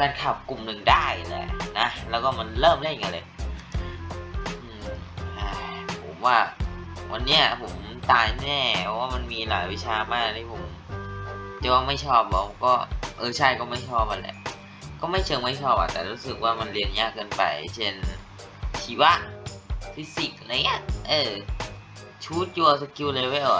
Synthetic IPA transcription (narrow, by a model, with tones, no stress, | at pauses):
kaː˧nkʰa˨˩p̚ku˨˩mnɯ˨˧ŋdaː˥˩jlɛ̰˨˩na˦˥lɛː˦˥wkɔː˥˩ma˧nlɤː˥˩mda˥˩˨ŋa˧lɯː˧˩j | ʔɯː˧ʔa˧˩pʰo˨˩˦mwaː˧˥˩wʔa˧nːiː˦˥ɐ˨˩pʰo˩˦mt̪aː˧jnɛː˥˩ɔ˧˦˥waː˥˩ma˧nmiː˧la̰ː˩˦jwi˦˥t͡ɕʰaː˧maː˧˥˩k̚t̪ʰiː˥˩pʰo˩˦m | t͡ɕa˨˧˩waː˧˩ma˥˩jt͡ɕʰɔː˥˩p̚bɔ˨˧˦kɔː˥˩ʔɤː˧t͡ɕʰa˥˩jkɔː˥˩ma˥˩jt͡ɕʰɔː˥˩p̚a˧nlɛ̰˧ʔ | kɔː˥˩ma˥˩jt͡ɕʰɤ˧ŋma˥˩jt͡ɕʰɔː˥˩p̚a̰˨˩t̪ɛ̰ː˨˩ɾuː˦˥sɯ˨˩k̚waː˥˩ma˧nli˧ənjaː˥˩kːɤː˧npa̰˨˩jt͡ɕʰe˧˥˩n | t͡ɕʰiː˨˦wa˦˧˥ʔfʰi˦˥si˨˩k̚a˧ɾa˧jŋi˦˧˥ʔʔɤː˧˩ | t͡ɕʰuː˦˥˩t̪̚juː˧ɐ˧sa˧kuː˧lɤː˧wa˧˩ʔɔː˨˩